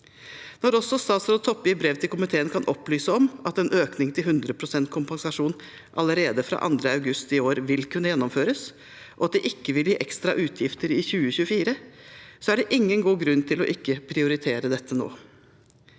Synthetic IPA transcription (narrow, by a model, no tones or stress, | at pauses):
nɔɾɔsɔst̪ɑːsɾɔt̪ʰɔpːɪbɾɛʋt̪ʰɪlkʊmɪt̪ʰeːənkʰɑnʔɔplyːsəɔmʔɑt̪ɛnʔøːknɪŋt̪ʰɪlɦhʉnd̪ɾəpʰɾʊsɛnt̪̚kʰʊmpɑŋsɑʂuːn | ʔɑləɾeːd̪əfɾɑ̰ːʔɑ̰nd̪ɾəɑʉɡʉst̪ɪoːɾʋɪlkʰʉnːəjɛnːɔmføːɾəs | ʔɔɑt̪̚d̪ɛʔɪkːəʋɪljiːʔɛkst̪ɾɑʔʉːt̪ʰjɪft̪əɾɪçʉːəçʉːəfiːɾəsɔæɖɛʔɪŋːənɡuːɡɾʉnt̪ʰɪlɔ̰ʔɪkːəpʰɾɪʊɾɪt̪ʰeːɾəd̪ɛt̪ʰːəno̰ː